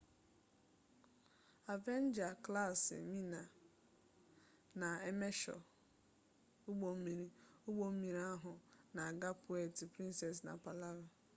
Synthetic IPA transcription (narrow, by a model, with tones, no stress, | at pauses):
a˨ve˦n˦d͡ʒa˨kla˦˨sɪ̰˨mi˦na˨ | na˨e˦me˦ʃɔ̰˨ | ʊ˦ɡ͡bo˨m̩˦mi˨ɾi˦ʊ˦ɡ͡bo˦m̩˦mi˨ɾi˦a˦ɦʊ˨na˨a˨ɡa˦pʊ˨˦ɛ˨tɪ˨pɾĩ˦nsɛ˨s̬na̰˨pa˨la˦ɾʊ˨